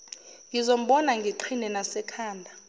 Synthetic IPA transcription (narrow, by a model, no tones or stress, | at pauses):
ŋɡʱizom̩ɓɔnaŋɡʱiǃʰinɛnasɛkʰaːndʱa